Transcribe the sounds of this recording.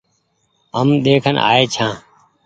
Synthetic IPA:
əmɗ̪eːkʰənʔa̰ːeːt͡ʃʰãː

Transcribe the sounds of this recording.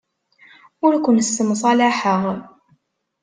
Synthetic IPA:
ʊɾkʷʊnsːəmsˤɑlaħəʁ

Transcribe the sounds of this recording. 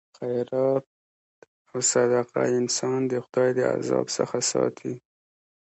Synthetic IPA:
xajɾɑt̪̚ | awsad̪aqaɪnsɑnd̪əxʊd̪ɑjd̪əa̰zɑ̰bsə̰xasɑt̪ʰi

